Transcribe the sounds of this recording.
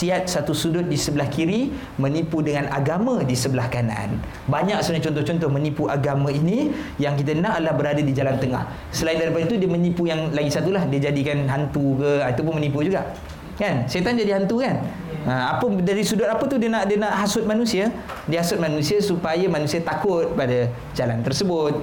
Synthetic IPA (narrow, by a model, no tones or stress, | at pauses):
siat̪̚sat̪usudʊt̪̚disəbəlahkiɾi | mə̃nipudəŋanaɡamãdisəbəlahkana̰a̰n | baɲak̚sənat͡ʃɔnt̪ɔht͡ʃɔnt̪ɔhmə̃nipuʔaɡamãinijaŋk̬it̪̬anaʔadəlahbəɾadadid͡ʒalant̪əŋa̰h | səlaindaɾipadət̪udiəmənĩpujaŋlaɡisat̪ulahdiəd͡ʒadikanɦant̪ukəat̪ap̬ʊnmənip̬ud͡ʒuɡa̰ʔ | kanset̪and͡ʒadiɦant̪ukan | əapədaɾisudʊt̪apət̪udiənaʔdənaʔɦasʊt̪̚manusia | diəɦhasʊt̪̚manũsiasupajamanũsiat̪akʊt̪̚pada | d͡ʒalant̪ərsəbʊt̪̚